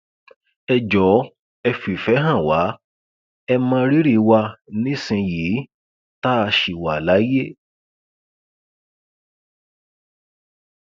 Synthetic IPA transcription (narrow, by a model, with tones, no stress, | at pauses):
ɛ˧d͡ʒɔ˨˦ | ɛ˧fi˨fɛ˨˦ɦã˦˨wa˨˦ | ɛ˧mãː˧ɾi˦ɾi˦˧wa˧nĩ˦sĩ˧jiː˨˦ | ta˦a˧ʃi˨wa˨la˨˦je˦